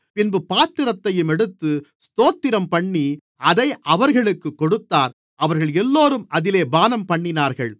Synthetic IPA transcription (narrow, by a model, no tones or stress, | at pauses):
pɪnbɯpaːt̪ːɪɾɐt̪ːɐjɯmɛɽɯt̪ːɯst̪oːt̪ːɪɾɐmpɐɳːi | ɐðɐɪʔɐʋɐɾɣɐɭɯkːɯkːɔɽɯt̪ːaːɾ | ʔɐʋɐɾɣɐɭɛlːoːɾɯmɐðɪleːbaːnɐmpɐɳːɪnaːɾɣɐɭ